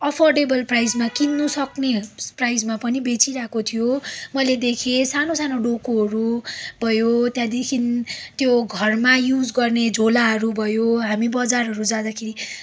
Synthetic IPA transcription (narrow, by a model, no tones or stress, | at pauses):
ʌpʰorɖebʌlprajd͡zmakinːusʌkneprajd͡zmapʌnibet͡siɾakot̪ʰijomʌjled̪ekʰesanosanoɖokoɦʌɾubʱʌjot̪jãd̪ekʰint̪joɡʱʌrmajud͡zɡʌrned͡zʱolaɦʌɾubʱʌjoɦamibʌd͡zarʌɾud͡zãd̪akʰeɾi